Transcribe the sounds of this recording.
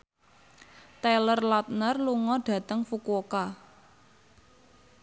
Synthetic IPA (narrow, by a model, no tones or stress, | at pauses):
t̪ɛlərlat̪̚nərluŋɔɖ̥ä̤t̪əŋfukoka